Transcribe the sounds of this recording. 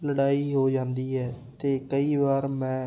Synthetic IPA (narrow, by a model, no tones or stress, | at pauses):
ləɽaːiːɦoːd͡ʒãːnd̪iːɦɛː | t̪eːkəiːʋaːɾmɛ̃ː